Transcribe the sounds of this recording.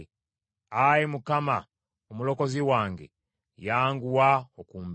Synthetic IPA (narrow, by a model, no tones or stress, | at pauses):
ajimukama | omulo̞ko̞ziwaːŋɡe̞̰ | jaːŋɡuwaokuːmb